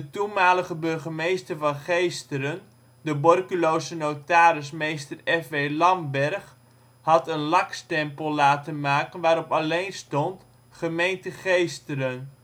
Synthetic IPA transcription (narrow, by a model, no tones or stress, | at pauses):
dətunmaːləχəbɵrχəmejstərvɑnχejstəɾən | dəbɔrkylowzənowtaːɾɪsmejstərɛfʋejlɑmbɛrχ | ɦɑtənlɑkstɛmpəlˠlaːtənmaːkənʋaːɾɔpɑlejnstɔnt | χəmejntəχejstəɾən